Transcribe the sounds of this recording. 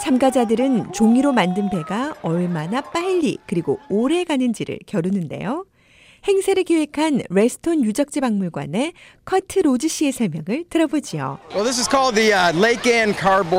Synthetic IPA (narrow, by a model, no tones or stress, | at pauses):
t͡ɕamɡad͡ʑadɯɾɯnt͡ɕoŋiɾomandɯnbe̞ɡaʌɭmanap͈aiʎːḭkɯɾiɡooɾe̞ɡanɯnd͡ʑiɾɯ̰ɭkjʌɾunɯnde̞̰jo | he̞ŋsʰeɾɯɭkewe̞kʰanɾe̞sʰɯ̥tʰonjud͡ʑʌk̚t͡ɕ͈ibaŋmuɭɡwa̰ne̞ | kʰʌtʰɯɾod͡ʑiɕ͈ʰiesʰʌɭmjʌŋɯɭtɯɾʌbod͡ʑio̰wɛlˠðɪs̬ɨz̥kʰɔlˠd̪̚ðileɪkæ̃nkʰɑɹb